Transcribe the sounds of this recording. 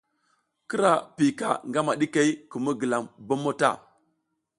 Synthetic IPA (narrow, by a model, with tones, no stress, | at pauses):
kə˦ɾa˨pi˨ka̰˨ŋɡa˦ma˨ɗi˦ka˦i˦kə˨mə˦ɡə˨la˨mbo˦mo˦ta̰˦˨